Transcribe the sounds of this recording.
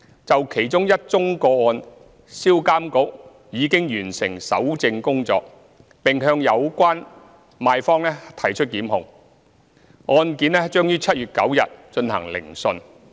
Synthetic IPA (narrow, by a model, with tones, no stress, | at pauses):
t͡sɐ˨wkʰe˨˩jt͡ʃʊ˥ŋjɐ˥t̚t͡ʃʊ˥ŋkɔː˧ɔː˧n | siː˥wkaː˥mkʊ˥k̚ | jiː˨˧kɪ˥ŋjyː˨˩nsɪ˨˩ŋsɐ˨˥wt͡sɪ˧ŋkʊ˥ŋt͡sɔ̰ː˧k̚ | pɪ˨ŋɦœː˧ŋjɐ˨˧wkʷaː˥n | maː˧jfɔː˥ŋlɛː˥t̪ʰɐ˨˩jt͡ʃʰɵ˥t̚kiː˨˥mɦʊ˨ŋ | ʔɔː˧nkiː˨˥nɛ˥t͡ʃœː˥ŋjyː˥t͡sʰɐ˥t̚ɥyː˨t̚kɐ˨˥wjɐ̰˨t̚t͡ʃɵ˧nhɐ̰˨˩ŋlɪ̰˨˩ŋsɵ˧n